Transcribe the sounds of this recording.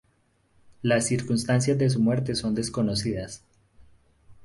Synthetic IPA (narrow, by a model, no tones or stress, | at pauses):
lasːiɾkunst̪ans̬jazd̪e̞s̬umwe̞ɾt̪e̞so̞nd̪e̞sko̞no̞siðas